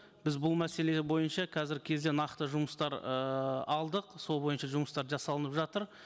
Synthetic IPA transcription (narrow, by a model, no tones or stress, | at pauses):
b̥ɪzbʊlˠmæse̞le̞bo̞jənʃɑqʰɑzɪɾkʲʰe̞zd̪e̞nɑqt̪əʒʊməst̪ɑɾəɑlˠd̪əqso̞lˠbojənʃɑʒʊməst̪ɑɾʒɑsɑlˠənəpʒɑt̪əɾ